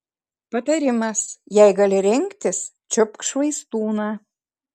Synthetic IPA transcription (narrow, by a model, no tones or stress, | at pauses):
pɐt̪ɐɾʲɪmɐsjɛɪɡɑlʲɪɾʲɪŋʲkt̪ʲɪs | t͡ʃʲʊpkʃʋɐɪst̪uːnɑː